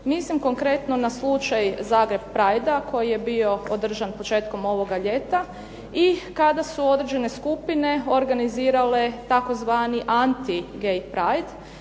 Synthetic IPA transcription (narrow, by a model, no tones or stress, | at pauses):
mislimko̞ŋkɾe̞t̪no̞naslˠut͡ʃajzaːɡɾe̞b̚pɾajd̪ako̞jije̞bio̞od̪r̩ʒanpot͡ʃe̞ːt̪ko̞mo̞ʋo̞ɡaʎet̪a | ikad̪asuo̞d̪ɾe̞d͡ʒe̞ne̞skupine̞o̞ɾɡaniziːɾale̞t̪ako̞zʋaːniʔant̪iɡejpɾajd̪